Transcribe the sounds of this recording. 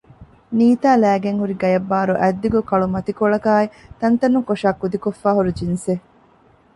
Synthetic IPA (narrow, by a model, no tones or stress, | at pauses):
niːt̪aːlæːɡeŋhuɾiɡɐjɐbːaːɾuʔæd̪ːiɡukɐɭumɐt̪ikoɭɐkaːit̪ɐnt̪ɐnːuŋkoʃaːkːud̪ikofːaːɦuɾud͡ʒinse